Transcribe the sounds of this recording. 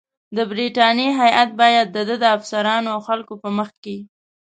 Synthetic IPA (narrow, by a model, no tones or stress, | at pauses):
d̪əbɾiʈɑnjeɦajʔat̪̚bɑjad̪ːəd̪əd̪əafsaɾɑnoawxalkopəməxke